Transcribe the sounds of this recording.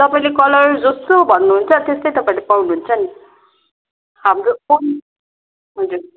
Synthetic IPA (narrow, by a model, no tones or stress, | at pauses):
t̪ʌpaĩlekʌlʌjd͡zʌst̪obʱʌnːuɦunt͡sʰʌt̪est̪ʌjt̪ʌpaĩlepawnuɦunt͡sʰʌni | hamɾuon | ɦud͡zuɾ